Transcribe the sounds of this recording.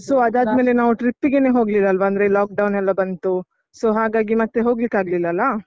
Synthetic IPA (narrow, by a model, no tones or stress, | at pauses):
soːɐd̪aːd̪me̞ːle̞naːʋuʈɾip̚tːiɡeneːɦo̞ːɡlilːɐːlʋɐɐnd̪ɐɾelaːk̚ɖɐwnɛlːɐbɐnt̪u | soːɦaːɡaːɡimɐt̪ːeɦo̞ːɡlikːaːɡlilːɐɐlːɐ